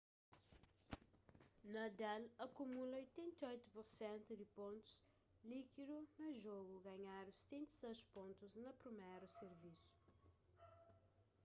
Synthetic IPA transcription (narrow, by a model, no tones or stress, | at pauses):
nɐd̪ɛlɐkumulɐojt̪ẽnt̪ɐojt̪upuɾsẽnt̪ud̪ɪpõnt̪u̥z | likid̪unɐʒoɣuɡɐɲaɾũsẽnt̪i̥seʃpõnt̪uznɐpɾimeɾuseɾvisu̥